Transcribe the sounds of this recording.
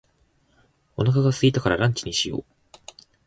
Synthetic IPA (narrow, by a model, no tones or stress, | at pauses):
o̞nakaɡasɨɡʲit̪akaɾaɾãɲ̟t͡ɕiɲ̟iɕijo̰ː